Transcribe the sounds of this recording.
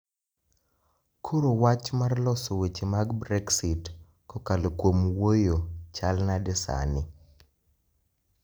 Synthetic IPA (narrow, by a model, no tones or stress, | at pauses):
kʰoɾowat͡ʃmarlɔsowet͡ʃemaɡbɾɛksit | kɔkalkwomwojot͡ʃalnadɛsa̰nɪ